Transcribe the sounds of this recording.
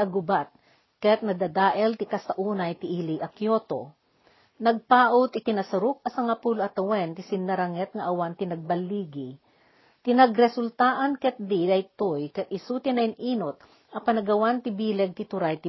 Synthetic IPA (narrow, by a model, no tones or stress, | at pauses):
ɐɡʊbat̪̚ | kɛt̪̚nɐd̪ɐd̪aːʔɛlt̪ɪkast̪ɐʔuːnɐjt̪ɪʔiliʔɐkjot̪o̰ | nɐɡ̚paːʔot̪ɪt̪ɪnɐsɐɾuk̚ɐsɐŋapuloʔɐt̪ɐwɛnt̪ɪsɪnːɐɾɐŋɛt̪̚ŋɐʔɐwant̪ɪnɐɡ̚bɐlːiːɡi | t̪ɪnɐɡɾɛsʊlt̪aːʔɐnkɛt̪̚d̪iɐjt̪ojkɛt̪ʔɪsut̪ɪnɐnʔiːnot̪̚ | ɐpanɐɡɐwant̪ɪbiːlɛɡ̚t̪ɪt̪ʊɾajt̪ɪ